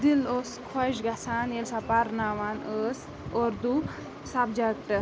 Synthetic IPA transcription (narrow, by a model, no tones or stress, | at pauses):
d̪iloːskʰɔʃɡɐsaːnelsapaɾnaːʋaːnəːs | oːɾd̪u | sabd͡ʒɐkʈɐ